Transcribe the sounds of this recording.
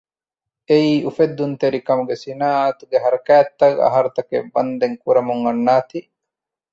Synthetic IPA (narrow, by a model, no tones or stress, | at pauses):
eiːʔufed̪ːunt̪eɾikɐmuɡesinaːaːt̪uɡeɦɐɾɐkæːt̪ːɐɡɐ̰ɦɐɾɐt̪ɐkḛbɐnd̪eŋkuɾɐmuŋɐnːaːt̪i